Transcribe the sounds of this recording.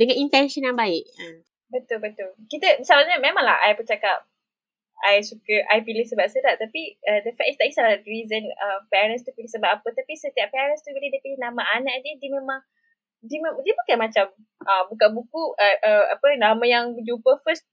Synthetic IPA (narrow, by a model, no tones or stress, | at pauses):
dəŋãnint̪ɛnʃɔnjãŋbaɪʔ̚a | bət̪ʊlbət̪ʊlkit̪əisalaɲəmẽmãŋla̰hʔa̰jbət͡ʃakap̚ | ajsukəʔajpilɪhsəbap̚sədaʔt̪apiədəfɛ̰ʔist̪aʔisalaɾizənəpɛɾə̃nst̪upilɪhsəbap̚apət̪apisət̪iaʔpɛɾənst̪ukədiədəpilɪnãmaanaʔdiədiəmẽmãŋ | dimdiəbukanmat͡ʃam | ʔabukanbukuəʔəa̰pənamə̃jaŋbəd͡ʒupəfəst̪̚